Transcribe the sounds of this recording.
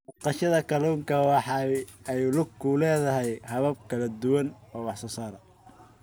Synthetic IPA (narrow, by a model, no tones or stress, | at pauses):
mɑqɑʃɐðɐkʰɐluːŋkʰɐwɑħɑɛjlʊɡʰʊlɛːðɐɦɛjhɐβɐb̚kʰɐlɐd̪ʊwɐnɔːwɑħsɔːsaːɾɐ